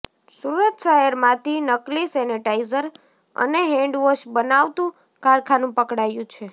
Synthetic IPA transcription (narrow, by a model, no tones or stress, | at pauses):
suɾət̪saɦeɾmãt̪ʰinəklisɛnəʈaizəɾ | ə̰neɦɛ̃ɳɖʋəʃbənaʋt̪ũ | kaɾkʰanũpəkɽajũt͡ʃʰe